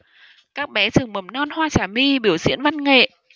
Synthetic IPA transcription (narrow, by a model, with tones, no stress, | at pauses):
kaː˦˥k̚ɓɛ˨˦t͡ɕɨ˨˩əŋmə˨˩mnɔ˧nhwaː˧t͡ɕaː˨˧˩mi˧ɓi˧˩əwzḭ˧˥ənva˧nŋḛ˧˨ʔ